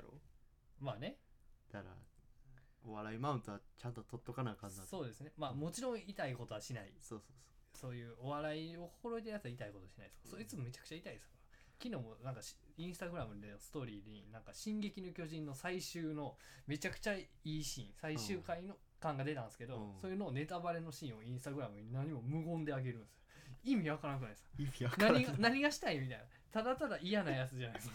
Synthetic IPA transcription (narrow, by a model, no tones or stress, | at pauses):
o̰ | maːne̞d̪̥aɾa̰ | oβaɾaimaɯ̃nt̪oβat͡ɕãnt̪o̞t̪o̞t̪ːo̞kanaikanːaso̞ːd̪e̞sɨne̞maːmo̞t͡ɕiɾõ̞ɰ̃it̪aiko̞t̪o̞aɕinaḭsoːsoːso̥ | so̞ːjɯ̟ːo̞βaɾaio̞hoɾoet̪̬ejat͡sɨait̪aikot̪o̞ɕinait̪okasoːit͡sɨmome̞t͡ɕḁkɯ̟̥t͡ɕait̪aidesɨ̥kaa | kʲino̞ːmonãŋkḁ | ĩɰ̃sɨ̥t̪aɡɯ̟ɾamɯ̟d̪enosɨ̥t̪o̞ːɾʲiːd̪ɲinãŋkaɕĩŋɡe̞kʲino̞kʲo̞ʑĩnːo̞saiɕɨːno̞me̞t͡ɕakɯ̟̥t͡ɕa | iːɕḭ̃saiɕɨːkaino̞ | kãŋɡad̪e̞t̪ãnsɨ̥ke̞d̪o̞osojɯno̞ːne̞t̪abaɾe̞no̞ɕĩɰ̃o̞ĩɰ̃sɨt̪aɡɯ̟ɾamɯ̟ɲ̟inaɲ̟imo̞mɯ̟ɡõ̞nd̪e̞aɡe̞ɾɯ̟̃nsɨ̥oimʲiβakaɾankɯnaiskḁnaɲiɡanaɲ̟iɡaɕi̥t̪aimʲit̪aina | t̪ad̪at̪ad̪aijanajat͡sɨʑanajskḁ